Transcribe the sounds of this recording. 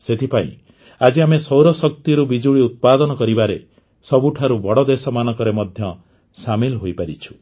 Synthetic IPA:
set̪ʰipaḭ̃ | ad͡ʒiamesɔwɾɔsɔk̚t̪iɾubid͡ʒuɭiut̪̚pad̪ɔnɔkɔɾibaɾe | sɔbuʈʰaɾubɔɽɔd̪esɔmanɔkɔɾemɔd̪ʱjɔ | samilɦojpaɾit͡ʃʰu̥

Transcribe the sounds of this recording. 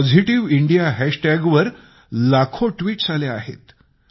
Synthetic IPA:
ɔd͡zʱiʈiʋiɳɖijaɦæʂʈæɡʋəɾ | lakʰoʈʋiːʈsaleaɦḛt̪

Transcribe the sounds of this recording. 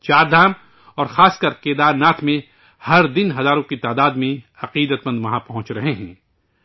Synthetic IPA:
t͡ʃaːɾd̪ʱaːm | ɔːɾxaːskəɾkeːd̪aːɾnaːt̪ʰmẽ | hɐɾd̪ɪnɦɐzaːɾõkit̪aːd̪aːd̪mẽ | ɐqiːd̪ət̪mə̃nd̪ʋɐɦãpɐɦʊ̃t͡ʃɾɐɦeɦɛ̰̃ː

